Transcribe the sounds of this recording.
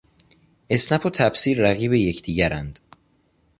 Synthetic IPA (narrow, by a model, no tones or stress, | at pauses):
ʔe̞snæfot̪ʰæbsiːɾːæɣiːβeje̞cʰd̪̥iːɟæɾænd̪̥